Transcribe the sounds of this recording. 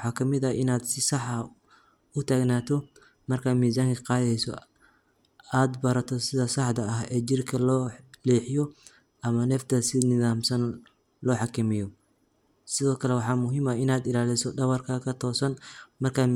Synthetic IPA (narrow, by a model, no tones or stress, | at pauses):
wħɑːkʰɐmɪðɐɪnaːd̪sɪsɑħɐ | ʊt̪ʰaːɡnaːt̪ʰɔ | mɐrkʰamiːzaːŋkʰɐqɑːjɛjsɔ̰ | aːd̪bɐɾɐt̪ʰɔsɪðɐsɑħd̪ɐɐɦɛːd͡ʒɪrkʰɐlɔːliːħɪjɔ | ʔɐmɐnɛft̪ʰɐsɪnɪðaːmsɐn | lɔːħɑkʰɐmɪjɔ | sɪðɔːkʰɐlɛwɑħɑːmʊɦimɐɪnaːd̪ɪlaːlɪsɔdɐβɐrkʰɐkʰɐt̪ʰɔːsɐnmɐrkʰa